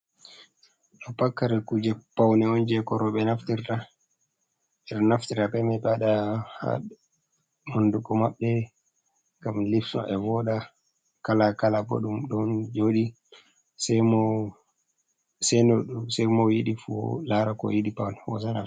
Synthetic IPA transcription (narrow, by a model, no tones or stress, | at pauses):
ɗɔpakːaɾɛkud͡ʒɛpawnɛɔnd͡ʒɛkɔɾɔɓɛnaftiɾta | ɛɗɔnaftiɾapɛmɛbaɗaha̰ | monduɡɔmaɓːɛ | ɡamlifsɔ̰ʔɛvɔɗa | kalakalabɔ̰ɗumɗɔnd͡ʒoɗi | sɛmɔ | sɛnɔɗusɛmɔjiɗifṵlaɾakɔ̰jiɗipawnɛwɔ̰sana